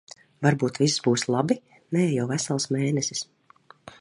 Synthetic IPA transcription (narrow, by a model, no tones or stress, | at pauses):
vaɾbuːt̪viszbuːslˠabi | nɛːjawvæsalˠsmeːnɛsi̥s